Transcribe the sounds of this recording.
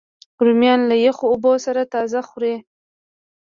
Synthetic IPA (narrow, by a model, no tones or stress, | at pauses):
ʊɾmjɑnlajexoːbosaɾat̪ɑzaxuɾe